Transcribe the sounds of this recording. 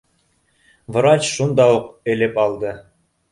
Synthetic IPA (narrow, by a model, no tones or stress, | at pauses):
v̆ɾɑt͡ɕʃund̪ɑwuqɘ̆lɘpɑlˠd̪ɤ